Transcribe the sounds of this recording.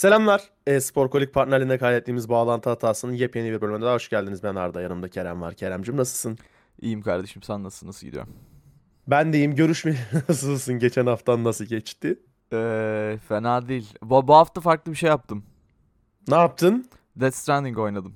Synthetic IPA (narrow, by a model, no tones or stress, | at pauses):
se̞lʲæmlʲˠæɾ̥ | ɛspo̞ɾko̞lʲic̚pʰaɾt̪nalʲind̪ɛkʰajd̪ɛt̪ʰːiːmizbaːlˠant̪ɯɦat̪ʰaːsɯnjepʰeniviɾbølʲymed̪ɛd̪aːɦoʃɟælʲd̪inizbæna̰ɾd̪ajaɾɯmd̪acʰeɾæ̰mva̰ɾcʰeɾæmd͡ʒimnasɯlˠsɯn | ḭjimkʰaɾd̪e̞ʃimsænːasɯlnasɯɟḭd̪ḭjo̰m | bænd̪e̞jimɟø̞ɾyʃmɛnasɯlˠsɯnɟet͡ʃʰænhaft̪ʰanːasɯlˠɟɛt͡ʃt̪ɪ | ɛfenaːd̪ejilʲbbuɦaft̪afaɾklˠɯbiʃe̞jap̚t̪ʰɯm | naːp̚t̪ʰɯn | d̪ɛt̪st̪ɾænd̪iŋko̞jnad̪ɯm